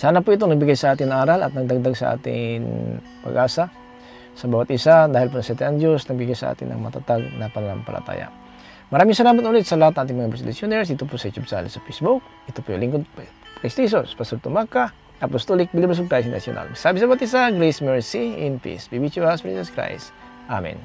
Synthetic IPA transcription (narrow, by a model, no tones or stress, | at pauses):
saːnapʊʔɪt̪̬onɐɡ̚bɪɡajsɐʔaːt̪ɪnɐŋaːɾalɐt̪̚nɐɡ̚d̪aɡ̚d̪aɡsɐ̰ʔa̰ːt̪ɪ̰ŋ | pɐ̰ɡʔaːsa | sɐbaːwat̪ʔɪsad̪aːhɪlpʊnɐsɛt̪ɛʔɐŋd̪josnɐɡ̚bɪɡajsɐʔa̰ːt̪ɪ̰nʔɐ̰ŋmɐat̪at̪aɡnɐpɐnɐlaŋpɐ̰lʔɐ̰t̪a̰ːja̰ | mɐɾaːmɪŋsɐlaːmat̪ʊlɪd̪sɐlɐhat̪nɐŋʔaːt̪ɪŋmɐŋabɾɛslusjonɛɹsd̪it̪opʊsɐjut̪jubsahlsɐpejsbuk̚ʔɪt̪opojlɪŋkod̪̚ | kɪst̪is̬ospɐsolt̪ʊmaka | ʔɐpost̪olɪk̚bɪlibɾɛs̬bʊkɾajsʊnʔɐ̰sjʊ̰nʔa̰lsaːbɪs̬ɐbawat̪ʔɪsaɡɾɛsmɛɹsiʔɪ̰npḭsbibit͡ʃuaspɛḭsɐskɾa̰js | ʔa̰mɛ̰n